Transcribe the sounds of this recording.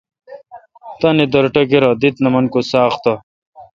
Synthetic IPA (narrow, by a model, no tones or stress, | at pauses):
t̪ɐnid̪ɐɾʈɐɡeɾɐd̪it̪nɐmɐnkosaːχt̪ɐ